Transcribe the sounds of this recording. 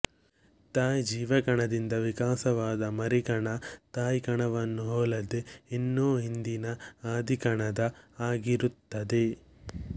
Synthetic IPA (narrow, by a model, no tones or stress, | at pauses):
t̪aːjd͡ʒiːʋɐɡɐɳɐd̪ind̪ɐʋikaːsɐʋaːd̪ɐmɐɾiɡɐɳɐt̪aːjkɐɳɐʋɐnːuɦoːlɐd̪eenːoːɦind̪inɐaːd̪ʱikɐɳɐd̪ɐaːɡiɾut̪ːɐd̪e